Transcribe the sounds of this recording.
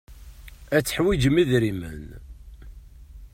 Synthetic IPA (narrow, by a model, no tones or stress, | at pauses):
æt͡sːəħwid͡ʒəmiðɾimə̰n